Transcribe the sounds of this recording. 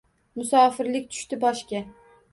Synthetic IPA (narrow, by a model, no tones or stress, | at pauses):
mʊsɒːfɪɾlɪkʲt̪ʰʊ̥ʃt̪ɪbɒʃkʲa